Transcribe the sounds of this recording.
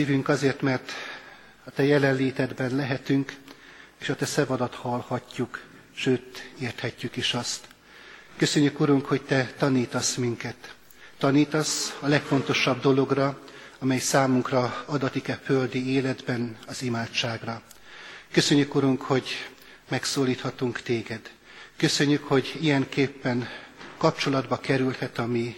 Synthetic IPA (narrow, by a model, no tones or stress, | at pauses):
iːvyŋkɒzeːrt̪mɛrt̪ | ɒt̪ɛjɛlɛnleːt̪ɛd̪bɛnlɛɦɛt̪yŋkeːʃɒt̪ɛsɛvɒd̪ɒt̪hɒlhɒcːuk | ʃøːt̪eːrt̪hɛcːykiʃɒst̪ | køsø̞ɲːykuɾuŋkho̞ct̪ɛt̪ɒniːt̪ɒsmiŋkɛt̪ː | ɒniːt̪ɒsɒlɛkfo̞nt̪o̞ʃɒb̚d̪o̞lo̞ɡrɒɒmɛjsaːmuŋkrɒɒd̪ɒt̪ikɛføld̪ieːlɛd̪bɛnɒzimaːtt͡ʃaːɡrɒ | kø̞sø̞ɲːykuɾuŋkho̞ɟ | mɛksoːliːt̪hɒt̪uŋkt̪eːɡɛd̪̥ | kø̞sø̞ɲːykho̞ɟijɛŋkeːpːɛnkɒp̚t͡ʃo̞lɒd̪bɒkɛɾylhɛt̪ɒmi